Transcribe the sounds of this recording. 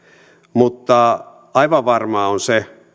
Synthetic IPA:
mut̪ːɑ | ɑiʋɑʋʋɑrmɑonse

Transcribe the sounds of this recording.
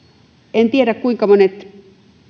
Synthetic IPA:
ent̪ieɾækkuiŋkɑmonet̪

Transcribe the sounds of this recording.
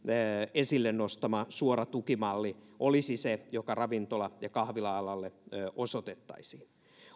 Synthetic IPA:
esilːennost̪ɑmɑsuoɾɑt̪ukimɑlːiʔolisisejokɑrɑʋint̪olɑjɑkɑhʋilɑɑlɑlːeøːʔosot̪et̪ːɑ̰isiːn

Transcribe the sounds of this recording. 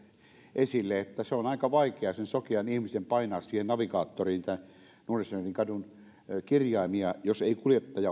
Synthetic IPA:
ʔesilːeet̪ːæseonɑˑikɑʋɑikeɑsensokeɑnihmisempɑinɑːssiːhennɑʋikɑːt̪ːoriːnt̪æn | nuorisneriŋkɑdun | kirjɑˑimiɑjoseikuljet̪ːɑjɑ

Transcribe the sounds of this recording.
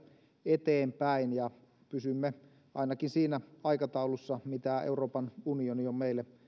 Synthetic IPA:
et̪eːmpæinjɑ | pysymːe | ɑ̰inɑkinsiːnæɑikɑt̪ɑulusːɑmit̪æḛuroːpɑnunioniommeilːe

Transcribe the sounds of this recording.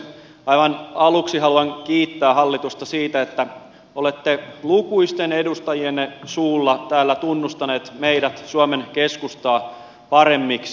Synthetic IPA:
ɑiʋɑnɑluksiɦɑluɑŋkiːt̪ːæːhɑlːit̪ust̪ɑsiːt̪æet̪ːæ | olet̪ːelukuist̪enedust̪ɑjienːsuːlːɑt̪æːlːæt̪unːust̪ɑneːt̪meiɾæt̪suɑmenkeskust̪ɑː | pɑɾemːiks

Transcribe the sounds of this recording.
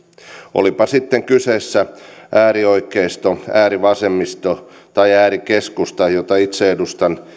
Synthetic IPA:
ʔo̰lipɑsit̪ːeŋkyseːsːæʔæːrioikːˑeist̪oæːriʋɑsemːist̪o | t̪ɑiæːrikeskust̪ɑjot̪ɑit̪seedust̪ɑn

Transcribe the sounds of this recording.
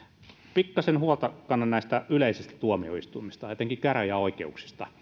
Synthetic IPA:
pikːɑsenhuolt̪ɑkɑnːɑnnæˑist̪æyleisist̪æ̥t̪uomio̰ist̪uimːist̪ɑet̪eŋkikkæræjɑoikeuksi̥st̪ɑ

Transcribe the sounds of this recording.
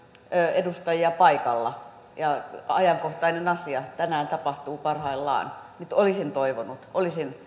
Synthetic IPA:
øːedust̪ɑjiɑpɑikɑlːɑ | jɑɑ̰jɑŋkoht̪ɑinenɑsiɑt̪ænæːnt̪ɑpɑht̪uːpɑrhɑilːɑ̰ːnnyt̪olisint̪oiʋonut̪ʔolisin

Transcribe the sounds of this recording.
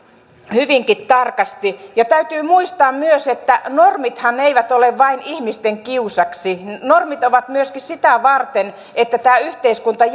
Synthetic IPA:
hyʋiŋkit̪t̪ɑrkɑst̪ijɑt̪æyt̪yːmuist̪ɑːmmyøset̪ːænormit̪hɑneiʋæt̪oleʋʋɑinihmist̪eŋkiusɑksinormit̪oʋɑt̪myøskissit̪æʋɑrt̪en | et̪ːæt̪æːyht̪eiskunt̪ɑ

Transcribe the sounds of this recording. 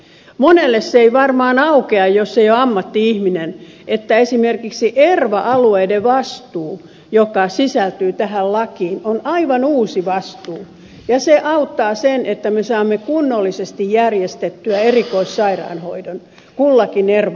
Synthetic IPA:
monelːesːeiʋɑrmɑːnɑukeɑjjosːejoɑmːɑt̪ːiihminen | et̪ːæesimerkiksiʔerʋɑʔɑlueideʋɑst̪uː | jokɑsisælt̪yːt̪æhællɑkiːnonɑiʋɑnuːsiʋɑst̪uː | jɑseʔɑut̪ːɑːsenʔet̪ːæmesɑːmːekunːolːisest̪ijjærjest̪et̪ːyæerikoissɑirɑ̰ːnho̰idon | kulːɑkinerʋ

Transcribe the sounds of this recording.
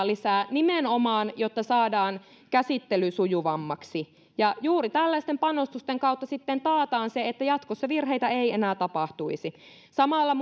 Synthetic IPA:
lisæːnimenomɑːnjot̪ːɑsɑːdɑːn | kæsit̪ːelysujuʋɑmːɑksi | jɑjuːrit̪ælːæist̪empɑnost̪ust̪eŋkɑut̪ːɑsit̪ːent̪ɑːt̪ɑːnseet̪ːæjɑt̪kosːɑʋirɦejt̪æeienæːt̪ɑpɑht̪uisi | sɑmɑlːɑm

